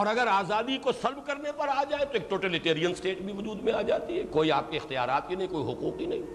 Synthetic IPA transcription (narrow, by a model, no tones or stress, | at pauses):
ɔːɾɐɡəɾaːzaːd̪ikosɐlbkɐɾnepɐɾaːd͡ʒaːet̪oeːk̚ʈoːʈɛːliʈeːɾijənsʈeːʈbʱiʋʊd͡ʒuːd̪mẽaːd͡ʒaːt̪iɦɛkoːiaːp̚keɪxt̪ija̰ːɾaːt̪kinɐɦĩkoːiɦʊkuːk̚binɐɦĩː